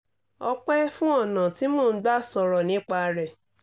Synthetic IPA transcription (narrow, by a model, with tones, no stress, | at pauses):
ɔ˧k͡pɛ˦fũ˦ɔ˦˨nã˨ti˨˦moː˦˨n̩˦ɡ͡ba˦sɔ˧ɾɔ˨nĩ˨˦k͡pa˧ɾɛ˨